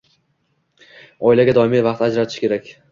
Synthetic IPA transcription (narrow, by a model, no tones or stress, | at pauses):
ɒjlaɡʲad̪ɒɪmivɑqt̪ad͡ʒɾat̪ʰɪ̥ʃkʲʰe̞ɾakʲ